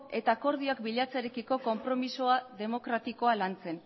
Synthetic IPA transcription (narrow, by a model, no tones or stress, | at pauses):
e̞t̪aːko̞ɾð̞ioakbiʎat͡seɾekiko̞ko̞mpɾo̞miso̞aðe̞mo̞kɾat̪iko̞alant͡se̞n